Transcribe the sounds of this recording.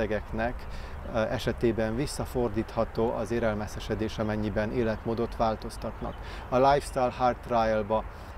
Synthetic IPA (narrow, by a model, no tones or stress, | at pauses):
ɛɡɛknɛk | ɛʃɛt̪eːbɛɱvisːɒfo̞rd̪iːt̪hɒt̪oːʔɒzeːɾɛlmɛsɛʃɛd̪eːʃɒmɛɲːibɛneːlɛt̪moːd̪o̞t̪ʋaːlt̪o̞st̪ɒt̪nɒ̰k | ɒlajfst̪ajlhaːrt̪rajɛlbɒ